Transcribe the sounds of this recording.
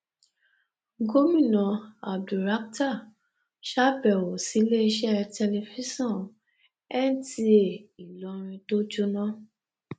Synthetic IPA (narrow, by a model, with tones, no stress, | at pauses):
ɡo˦mĩ˦˨nɔ̃˨a˨b̚du˨ɾa˨˦k̚ta˦˨ | ʃa˦bɛ˨wo˨si˨˦le˦i˧ʃɛ˦tɛ˧le˧fi˦sɔ̃˦˨ | ɛ˦n˦ti˦e˨i˨lɔ˧˦ɾ̃ĩ˧to˦d͡ʒu˦nã˦